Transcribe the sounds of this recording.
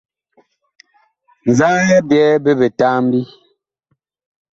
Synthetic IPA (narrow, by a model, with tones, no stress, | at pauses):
n˨za˦jɛ˦bjɛ˦be˦be˨taː˦m˦bi˦